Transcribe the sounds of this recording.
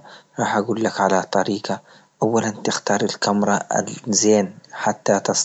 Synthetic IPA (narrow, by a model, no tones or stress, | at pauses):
ɾˤɑːħʔaɡuːlːakʕalat̪ˤɑɾiːɡɑ | ʔawːalant̪ɪxt̪ɑːɾˤalkamɾˤɑa̰lzeːnħat̪ːat̪ɑsˤ